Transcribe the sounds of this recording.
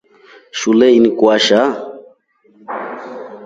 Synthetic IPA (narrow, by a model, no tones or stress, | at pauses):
ʃulɛinikwaʃa